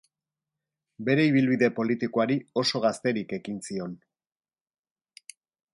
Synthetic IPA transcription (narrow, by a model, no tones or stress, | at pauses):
be̞ɾe̞iβ̞ilβiðe̞po̞lit̪ikoaɾio̞so̞ɣast̪e̞ɾike̞kinsio̞n